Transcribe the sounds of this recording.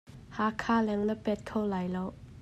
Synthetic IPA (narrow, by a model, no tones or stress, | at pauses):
haːkʰaːlɛŋləpɛt̪̚kʰɔwlajlɔw